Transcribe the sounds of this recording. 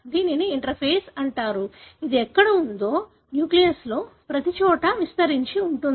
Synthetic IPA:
d̪iːniniiɳʈɐɾpʰeːsɐɳʈaːɾuid̪iɛkːɐɽɐund̪o̞ː | njuːklijɐɾslo̞ːpɾɐt̪it͡ʃɔːʈɐʋist̪ɐɾiɲt͡ʃiuɳʈund̪i

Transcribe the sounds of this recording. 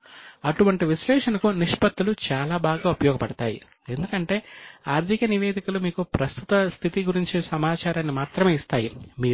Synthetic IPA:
ɐʈuʋɐɳʈiʋiʃlɛːʂɐnɐkuniʂpɐt̪ːulut͡ʃaːlaːbaːɡaːupɐjɔːɡɐpɐɽɐt̪aːjḭ | e̞nd̪ukɐɳʈe̞ːaːɾt̪ʰikɐniʋe̞ːd̪ikulumiːkupɾɐst̪ut̪ɐst̪ʰit̪iɡuɾiɲt͡ʃisɐmaːt͡ʃaːɾaːnːimaːɾt̪ɾɐme̞ːist̪aːjimiː

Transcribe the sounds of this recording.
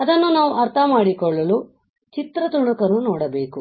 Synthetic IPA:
ɐd̪ɐnːunaːʋuʔɐɾt̪ʰɐmaːɽikɔɭːɐlu | t͡ʃit̪ɾɐt̪uɳukɐnːunɔːɽɐbeːku

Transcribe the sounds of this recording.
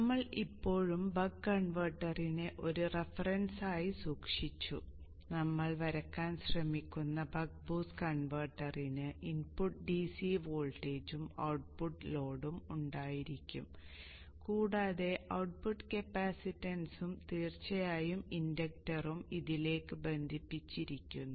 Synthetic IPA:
nɐmːɐɭipːo̞ːɻumbɐɡkːɐɳʋɐrʈːɐrineʔo̞ɾurefɐrɐnsaːjisuːkʂit͡ɕːu | nɐmːɐɭʋɐɾɐkːaːnɕrɐmikʲːunːɐbɐɡ̚buːskɐɳʋɐrʈːɐrinɨʔinpuʈːɖisiʋoːɭʈeːd͡ʑumɐ̰wʈ̚puʈːlo̞ːɽumuɳɖaːjiɾikʲːṵm | kuːɽaːðe̞ʔɐwʈ̚puʈːɨkepːaːsitːɐnsumt̪iːrt͡ɕːɐjaːjumindɐk̚ʈɐrumiðile̞ːkːɨbe̞nd̪ʱipːit͡ɕːiɾikʲːunːu

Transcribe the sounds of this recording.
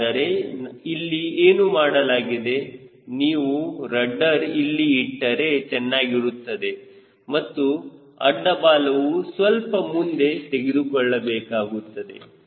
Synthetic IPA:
ɐɾe̞ilːieːnumaːɽɐlaːɡid̪e̞niːʋuɾɐɖːɐɾilːiːʈːɐɾe̞t͡ʃɛnːaːɡiɾut̪ːɐd̪e̞ | mɐt̪ːu | ɐ̰ɖːɐbaːlɐʋusʋɐlpɐmund̪e̞t̪eɡed̪ukɔɭːɐbɛːkaːɡut̪ːɐd̪e̞̰

